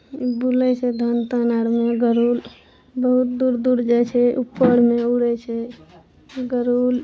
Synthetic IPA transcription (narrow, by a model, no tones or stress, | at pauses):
bulɛt͡ʃʰɛd̪ʱənt̪ənaɽmeɡəɾul | bəɦut̪̚d̪uɾd̪uɾd͡ʒat͡ʃʰɛupːəɽmeuɽɛt͡ʃʰɛ | ɡəɾul